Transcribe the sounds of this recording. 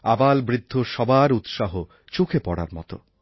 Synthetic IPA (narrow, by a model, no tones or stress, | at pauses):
abalbɾid̪ʱːoʃɔbaɾut̪ʃaɦo | t͡ɕokʰepɔɽa̰ɾmɔ̰t̪o̰